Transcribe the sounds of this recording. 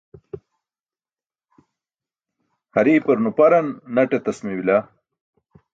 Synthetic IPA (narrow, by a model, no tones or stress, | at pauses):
hɐɾiːpɐɾnupɐɾɐnːɐʈet̪ɐsmewila